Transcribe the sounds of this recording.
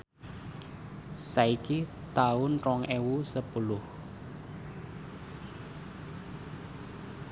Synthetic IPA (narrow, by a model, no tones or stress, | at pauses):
saiki | t̪aʊnrɔŋʔewusəpulʊh